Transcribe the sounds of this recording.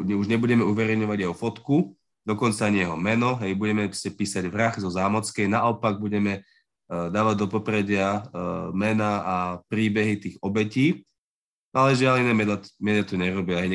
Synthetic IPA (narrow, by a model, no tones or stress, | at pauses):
ɲɛuʒɲɛbuɟɛmɛuʋɛɾɛjɲɔʋaɟjɛɦɔfɔt̪ku | d̪ɔkɔnt͡saaɲɪjɛɦɔmɛnɔɦɛjbuɟɛmɛɾɔscɛpiːsaɟʋɾaxzɔzaːmɔt͡skɛjnaʔɔpaɡ̚buɟɛmɛ | d̪aːʋaɟd̪ɔpɔpɾɛɟɪamɛnaːapɾiːbɛɦit̪iːɣɔbɛciː | alɛʒɪalinɛːmɛmɛd̪at̪ɔɲɛɾɔbiɛɲ